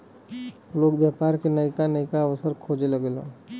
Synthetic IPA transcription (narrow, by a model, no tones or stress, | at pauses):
loːɡbjaːpaːɾkenəikanəɪkaːwəsəɾkʰoːd͡ʒeləɡeːlõ̰ː